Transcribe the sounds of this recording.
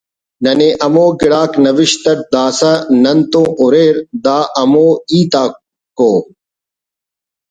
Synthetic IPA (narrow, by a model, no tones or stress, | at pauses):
nɐneʔɐmoːɡɪɽaːknɐʋɪʃt̪ɐʈ̚d̪aːsanɐnt̪õːʔʊɾeːɾd̪aːʔɐmoːiːt̪aː | koː